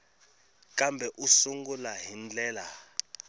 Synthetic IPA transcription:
kʼambʱɛʔusuŋɡulaɦind͡ɮʼɛːla

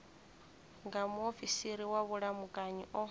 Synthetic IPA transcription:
ŋɡamuofisiɾiwaβuɺamukʼaɲiʔɔ

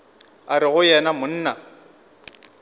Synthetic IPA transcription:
aɾɪɣʊjɛnamʊn̩ːna

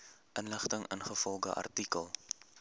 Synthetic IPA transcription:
ʔənləχtəŋʔə̰nχəfɔlˠɡə̰ʔɐ̰rtikəlˠ

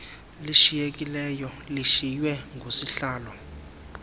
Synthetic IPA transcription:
liʃijek̬ʼilɛjɔ | liʃijwɛŋɡʱosiɬaːlɔ

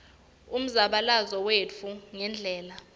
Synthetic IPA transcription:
um̩zaɓalazɔwet͡fʰuŋɛnd͡ɮʱɛːla

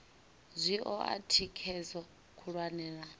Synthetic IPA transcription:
zʷiʔɔʔa̰tʰikʰɛzɔ | kʰuɺwanɛːɺa

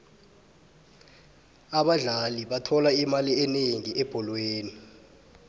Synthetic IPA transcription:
aɓaɮaliɓatʰɔlaimaliɛneŋiʔɛb̥ʱɔlweːni

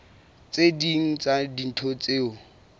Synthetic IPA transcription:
t͡sediŋ̩t͡sʼadin̩tʰot͡sʼeːʊ

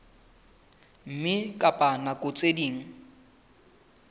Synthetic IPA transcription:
m̩mɪkʼapʼanakʼʊt͡sʼediːŋ̩

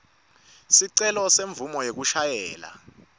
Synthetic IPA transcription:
siǀɛlɔseɱb̪vumɔjek̬uʃajɛːla̰

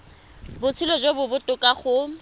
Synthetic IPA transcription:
bʊt͡sʰɪlɔd͡ʒobʊbʊtʼʊkʼaχʊ

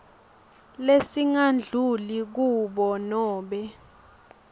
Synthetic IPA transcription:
lesiŋand͡ɮʱulik̬uɓɔnɔːɓɛ

